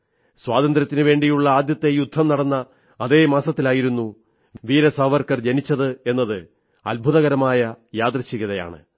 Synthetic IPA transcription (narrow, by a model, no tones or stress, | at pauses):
swaːd̪ɐnd̪ɾɐt̪ːinɨʋe̞ːɳɖijuɭːɐaːd̪jɐt̪ːe̞jud̪ʱːɐmnɐɽɐnːɐː | ðe̞ːmaːsɐt̪ːilaːjiɾunːu | ʋiːɾɐsɐʋɐrkɐrd͡ʑɐnit͡ɕːɐðɨe̞nːɐðɨ | ɐ̰lbʱuðɐɣɐɾɐmaːjɐjaːd̪rɐɕiɣɐðɐja̰ːɳɨ̰